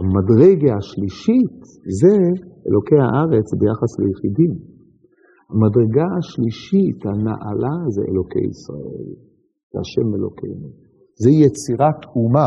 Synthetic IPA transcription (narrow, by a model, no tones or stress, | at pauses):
amadʁeɡaːʃliʃit | zeḛlʔo̞kejha̰ʔaʁe̞t͡sbejaχaslejeχidim | hamadʁeɡaaʃliʃithana̰ʔalazḛʔḛlo̞kḛjḭsʁa̰e̞̰l | zeaʃeme̞lo̞̰kʰḛjnu | zejet͡siʁatuma